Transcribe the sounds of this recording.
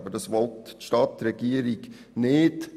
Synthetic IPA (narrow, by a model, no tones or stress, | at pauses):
bədɑsʋɔltʃtɑːt̪ɾɛɡ̥iːəɾɪɡ | neːd̪